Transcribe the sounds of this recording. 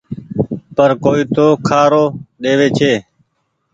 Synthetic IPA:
pəɾkoːiːt̪oːkʰaːɾoːɗeːʋeːt͡ʃʰeː

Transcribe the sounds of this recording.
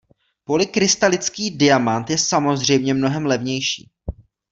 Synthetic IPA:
po̞lɪkɾɪst̪alɪt͡skiːdɪjamant̪jɛsamo̞zr̝ɛjmɲɛmno̞ɦɛmlɛvɲɛjʃḭː

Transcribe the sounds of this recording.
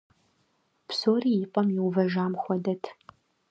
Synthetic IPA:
psoːriːjɪpʷʼɐmjɪwvɐʒaːmxʷɔdɐtʰ

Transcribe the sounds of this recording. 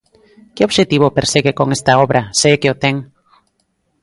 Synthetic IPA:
kɪoβʃet̪iβopeɾseɣekoŋest̪aoβɾaseːkeot̪eŋ

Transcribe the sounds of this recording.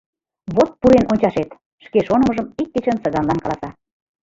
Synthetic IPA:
βot̪̚puɾenʔonʲt͡ɕɑʃet̪ | ʃkeʃonəmə̆ʒəmik̚ːet͡ɕənsɤɣɑnlɑnkɑlˠɑsɑ

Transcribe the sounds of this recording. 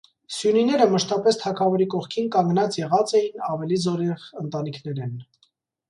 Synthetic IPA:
sjuninɛɾəməʃt̪ɑpɛst̪ʰɑkʰɑvɔɾikɔχkʰinkɑŋɡnɑt͡sjɛʁɑt͡sɛjinɑvɛlizɔɾɛʁənt̪ɑnikʰnɛɾɛn

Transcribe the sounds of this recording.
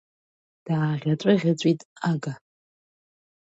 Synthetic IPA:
d̥aːʁʲat͡sʷʼaʁʲat͡sʷʼitʼaɡa

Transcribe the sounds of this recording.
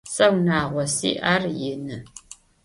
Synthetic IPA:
sɐwnaːʁʷɔsḭːʔarjɪnɨ

